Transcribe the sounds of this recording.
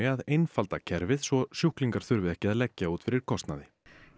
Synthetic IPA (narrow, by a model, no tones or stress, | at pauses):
ɪaðejnfalt̪acʰɛɾvɪðsvɔsjuhkliŋkaɾ̥θʏɾvɪðɛhcɪaðlɛcːauːt̪fɪɾɪɾ̥kʰɔst̪naðɪ